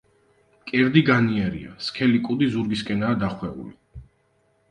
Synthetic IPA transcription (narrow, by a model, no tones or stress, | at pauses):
kʼɛɾd̪iɡaniɛɾḭa̰skʰɛlikʼud̪izuɾɡiskʼɛnaːd̪aχwɛṵlḭ